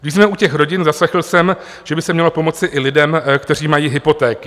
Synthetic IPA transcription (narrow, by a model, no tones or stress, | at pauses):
ɡdɪʃzmɛucɛxɾo̞ɟɪnzaslɛxl̩sɛm | ʒ̥ɛbɪsɛmɲɛlo̞po̞mo̞t͡sɪʔɪlɪdɛmkt̪ɛr̝iːmajiːɦɪpo̞t̪ɛːkɪ̥